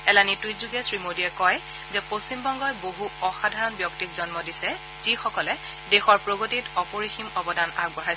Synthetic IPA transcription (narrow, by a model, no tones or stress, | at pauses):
ɛlanitwitzuɡɛsɹimodiɛkɔj | zɛposimbɔŋɡɔjboɦuɔxadʱaɹɔnbjɔktikzɔnmɔdisɛ | z̥ixɔkɔlɛ | dexɔɹpɹoɡotitɔpoɹiximɔbɔdana̰ɡ̚bɔɹajs